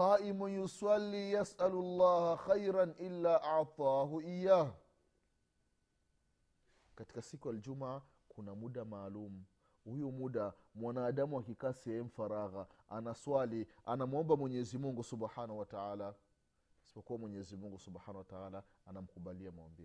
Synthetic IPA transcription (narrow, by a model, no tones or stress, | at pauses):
aʔimujuswalːijasalualːɑːhaxajɾanʔilːaːʔaʕt̪ˤɑːɦuijaːh | kati̥kasikujald͡ʒuma | kʰunamuɗamaːlumu | hujumuɗamwanaːɗamuakikasiɛɛm̩faɾaɣaanaswalianamɔmbamwɛɲɛɛzimuŋɡusubħanahuwataaːla | ḁsi̥pɔkuwamwɛɲɛɛzimuŋɡusuɓħaːnawataala | anam̩kuɓaliamawa̰mbi